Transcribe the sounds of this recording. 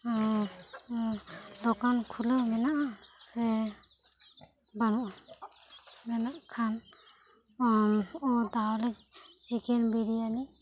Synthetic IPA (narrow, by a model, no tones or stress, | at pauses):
d̪ɔkankʰulɯmɛnaʔsɛ | banɔʔ | mɛnaʔkʰan | ɔnɔd̪alɛt͡ʃikɛnbiɾiani